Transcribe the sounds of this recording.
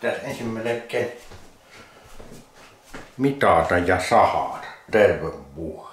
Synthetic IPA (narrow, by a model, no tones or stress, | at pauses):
t̪ːæensimːæˑlekkːˑe | mit̪ɑˑt̪ɑjjɑsɑhɑt̪ɑt̪erʋeʋʋuoe